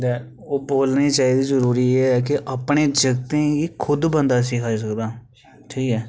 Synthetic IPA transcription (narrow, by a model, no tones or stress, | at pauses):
d̪ɛː | oːboːlnĩːt͡ʃaːiːd̪iːzəɾuːɾiːeɛːkɪʔapɳeːd͡ʒəɡt̪ẽːɡiːkʰʊd̪bənd̪aːs̬ɪːkʰaːiːs̬əkd̪aː | ʈʰiːkɛː